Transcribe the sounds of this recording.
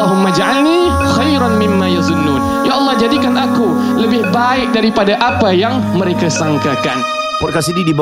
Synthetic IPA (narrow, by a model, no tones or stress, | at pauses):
aɦʊmːad͡ʒaʕalni | xajɾanmɪmːajazʊnːun | jaʔɑlˠˤːɑhd͡ʒadikanʔaku | ləbɪhbaɪk̚daɾipadaʔapajaŋ | məɾekasaŋkaka̰n | pɔt̚kasididib